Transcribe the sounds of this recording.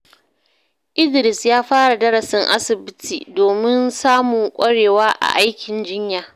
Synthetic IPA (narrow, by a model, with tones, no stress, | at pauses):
ʔɪ˦dɪ˨ɾɪ˨sjaː˦ɸaː˦ɽa˨dɐ˦ɽɐ˨sɪ˦ŋʔa̰˦sɪ˨bɪ˦tʰiː˨doː˨mɪ˦nsaː˦mʊ˨ŋkʷʼɐ˦ɽeː˨waː˦ʔa̰˨ʔa˦jkʲʰɪ˨nd͡ʒɪ˦ɲjaː˨